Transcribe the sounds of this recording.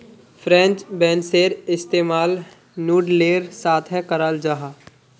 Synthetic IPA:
pʰɾɛ̃nt͡ʃbɛ̃ːnseːɾɪst̪eːmaːl | nuːɖleːɾsaːt̪ʰɦɛkəɾaːld͡ʒaɦaː

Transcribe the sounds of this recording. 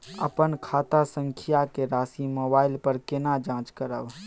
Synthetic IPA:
ə̰pənkʰaːt̪asə̃ŋkʰɪjakeɾaːsimoːbaːɪlpəɾkɪnad͡ʒãːt͡ʃkəɾəʋ

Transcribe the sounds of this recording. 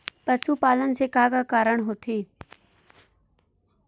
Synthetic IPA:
pəsupaːlənsekaːkakaːɾəɳ̃ɦoːt̪ʰeː

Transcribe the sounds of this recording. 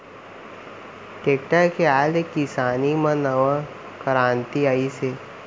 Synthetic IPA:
ʈeːkʈakeaːlekːisaːnimɐ̃nəʋã | kəɾãːnt̪iaːise

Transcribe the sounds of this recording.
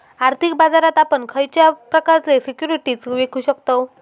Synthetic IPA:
aɾt̪ʰik̚bad͡zaɾat̪apəɳkʰəjt͡ɕjapɾəkaɾt͡sesikjuɾiʈiːt͡sʋekʰuɕəkt̪o

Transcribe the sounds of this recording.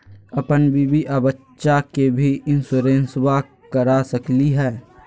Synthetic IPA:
ɐpənbʱibiʔəbət͡ʃːʃakebʱiʔɪnsʊɾẽːnswa | kəɾasəkliɦɛː

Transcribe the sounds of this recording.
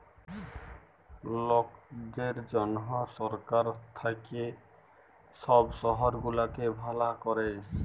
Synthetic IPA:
lokd̪eɾd͡ʒɔnɦɔsɔɾkaɾt̪ʰake | sɔbsɔɦɔɾɡulakebʱalakɔɾe

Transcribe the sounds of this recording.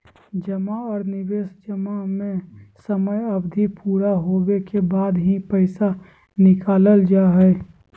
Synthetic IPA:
d͡ʒəmaɔːɾnɪʋeːsd͡ʒəmamẽsəməjɐbd̪ʱipuːɾaɦowekebaːd̪ɦipəɪsa | nɪkaːləld͡ʒaːɦɛ

